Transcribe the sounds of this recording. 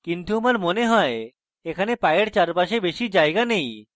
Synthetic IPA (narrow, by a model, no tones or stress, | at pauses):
kint̪uomaɾmoneɦɔe | ekʰanepajeɽt͡ɕaɾpaʃebeʃid͡ʒaeɡanej